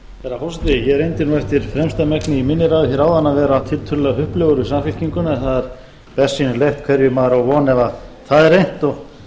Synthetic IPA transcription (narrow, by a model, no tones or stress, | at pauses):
ɛɾafawsɪt̪ɪjɛɛɾejnt̪ɪɾnuɛft̪ɪɾ̥fɾɛmst̪amɛknɪimɪnːɪɾaðɪθçjɛɾaːwðanːavɛːɾat̪ʰɪlt̪ʰʏllɛɣaɦʏhplœɣʏɾʏsamfɪl̥ciŋkʏnɛnθaðɛɾ̥ | pɛsːinʏlejht̪̚kʰvɛɾjʏmaːɾawvɔːnɛvaθaðɛɾejn̥t̪ɔɣ